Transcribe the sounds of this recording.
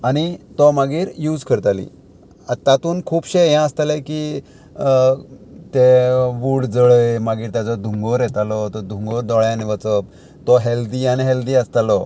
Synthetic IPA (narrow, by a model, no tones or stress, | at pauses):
aɽ̃it̪ɔmaɡiːɾjuːd͡zkəɾt̪alḭ | at̪at̪uːnkʰuːpɕejãəst̪aleki | t̪eʋuɽd͡zəɭemaɡiːɾt̪jat͡sɔd̪ʱuŋɡɔɾjɛt̪alɔt̪ɔd̪ʱuŋɡəɾd̪ɔɭjãniʋət͡səp̚ | t̪ɔɦeld̪ianiɦeld̪iːəst̪alɔ